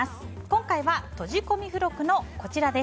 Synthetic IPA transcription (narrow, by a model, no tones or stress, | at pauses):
asɨ̥ | kõ̞ŋkaiβat̪o̞ʑiko̞mʲiɸɯ̟ɾo̞kɯ̟no̞ko̞t͡ɕiɾad̪e̞